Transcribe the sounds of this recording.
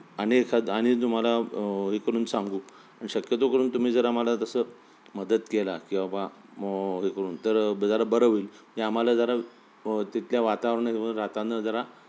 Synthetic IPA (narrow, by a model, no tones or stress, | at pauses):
ənekʰaaɽ̃it̪um̤alaɦekəɾuːnsaŋɡuː | aɽ̃iɕəkjət̪okəɾuːnt̪um̤iːd͡zəɾaməlat̪əsəː | məd̪əd̪kelakĩw̃ʋaba | ɦekəɾuːnt̪əɾd͡zəɾabəɾəʋiːləd͡ʑeam̤alad͡zəɾa | t̪it̪ljaʋat̪aʋɾɳəɦiʋəɾat̪anːəd͡zəɾa